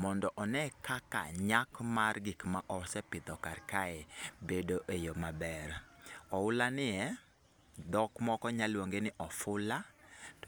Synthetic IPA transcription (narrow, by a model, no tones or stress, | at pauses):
mɔndɔʔɔnɛkaka̰ɲakmarɡikmaʔɔsɛpɪd̪ɔkarkaɛbedoʔejomabɛɾɔʊlanɪɛ | d̪ɔkmɔkɔɲalwoŋɡenɪʔɔfʊla